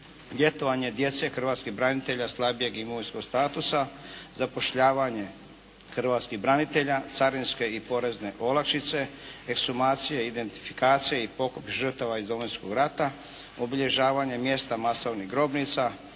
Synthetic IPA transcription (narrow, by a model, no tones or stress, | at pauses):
lje̞t̪oʋaɲe̞d̪je̞t̪se̞xr̩ʋaːt̪skiɦbɾanit̪e̞ʎaslˠabije̞ɡimoʋinskoɡst̪aːt̪usazapo̞ʃʎaːʋaɲe̞ | xr̩ʋaːt̪skiɦbɾanit̪e̞ʎat̪saɾinske̞ipo̞ɾe̞zne̞ʔo̞lakʃit̪se̞ːksumaːt̪sijeid̪e̞nt̪i̥fi̥kaːt̪sijeipo̞kopʒər̩t̪aʋaizd̪omojskoɡɾat̪a | obiʎe̞ʒaːʋaɲe̞mje̞st̪amasoʋniɣɡɾo̞bnit̪sa